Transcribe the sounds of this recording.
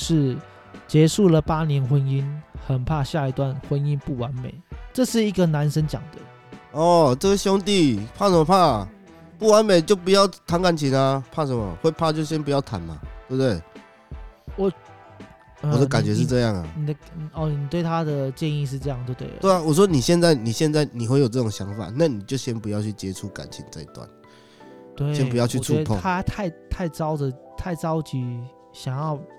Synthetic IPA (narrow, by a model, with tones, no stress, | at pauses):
ʂɻ̩˥˩ | t͡ɕjɛ˧˥ʂu˥˩lə˨˩pa˥njɛ˧˥nxwə˦˥ni˦nxə˨˩npʰa˥˧ɕja˥˧i˧˥t̪wa˥˨˩nxwə˦˥ni˦npu˥˩wa˧˦nmḛ˨˩˦ɪʈ͡ʂɤ˥˧ʂɻ̩˥˩i˧˦˥ɡə˨na˧˦nʂə˥nt͡ɕjɑ̰˨˩ŋd̪̥ə˦ | ɔ˥˩ʈ͡ʂə˥˩ɡə˨˩ɕjɔ˥ŋt̪i˥˧pʰa˥˩ʂə˧˦mɔ˧pʰa˥˩ | pu˥˩wa˧˦nmẽ˨˩ɪt͡ɕjo˥˩ʊpu˨˦jɑ˥˩ʊt̪ʰa˧˥ŋka˥˩nt͡ɕʰi˨˦na˧pʰa˥˩ʂə˧˦mɔ̰˨˩xwe˥˧ɪpʰa˥˧t͡ɕjʊɕjɛ˥npu˧˦jɑ˥˩ʊt̪ʰa̰˨˩nma̰˨tt̪we˥˩bt̪we˥˩ɪ | wɔ˨˩ | əwɔ˨˩d̪ə˦ka˨˩nt͡ɕɥɛ˧˦ʂɻ̩˥˧ʈ͡ʂɤ˥˧jɑ˥˩ŋa̰˨˩ni˨˩d̪ə˩n˨ɔ˨˩ni˨˩t̪we˥˩ɪt̪ʰa˦˥d̪ə˨t͡ɕjɛ˥˧ni˥˧ʂ̬ɻ̩˥˧ʈ͡ʂɤ˥˧jɑ˥˧ŋt̪we˥˩t̪ḛ˥˩we˥˩ɪa˨wɔ˨˩ʂ̬wɔ˦˥ni˨˩ɕjɛ˥˧nt͡sa˥˩ɪni˨˩ɕjɛ˥˧nt͡sa˥˩ɪni˨˩xwe˥˩ɪjo˨˩ʈ͡ʂɤ˥˩o˨˩ŋɕjɑ˧˦ŋfa̰˨˩na˥˨ni˨˩t͡ɕjo˥˩ʊɕjɛ˦˥npu˧˦jɑ˥˧ʊt͡ɕʰy˥˩t͡ɕjɛ˦ʈ͡ʂʰu˦ka̰˨˩nt͡ɕʰi˨˦ŋt͡sa˥˧ɪi˦˥t̪wa̰˨˩n | t̪we˥˨ɕjɛ˦nu˨˧jɑ˥ʊy˥˨t͡sʰu˧˥pʰŋʰa˥t̪ʰa˥˧ɪt̪ʰa˥˩ɪʈ͡ʂɑ˥ʊd̪ə˨t̪ʰa˥˩ɪt͡sɑ˦ʊt͡ɕi˨˥ | ɕjɑ˨˩ŋjɑ˥˩ʊ